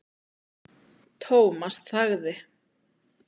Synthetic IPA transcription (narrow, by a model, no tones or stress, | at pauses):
t̪ʰoːwmast̪θaɣðɪ